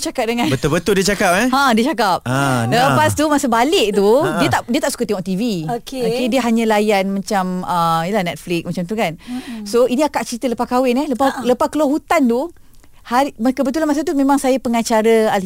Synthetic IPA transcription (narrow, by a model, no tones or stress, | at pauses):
t͡ʃakap̚dəŋãnbət̪ʊlbət̪ʊldiət͡ʃakap̚ɛãdiət͡ʃakap̚adaapast̪umasəbalɪʔ̚t̪udiət̪aʔdiət̪aʔsu̥kat̪eŋɔʔ̚t̪iviokeokediəɦaɲãlajanmãt͡ʃaməijəlahnɛt̪̚flɪk̚smat͡ʃamt̪ukansoiniakaʔt͡ʃəɾit̪ələpahkawɪŋɛləpaləpahkəloɦut̪ant̪u | haimakəbət̪ulanmas̬at̪̬umẽmaŋsajapəŋat͡ʃaɾəal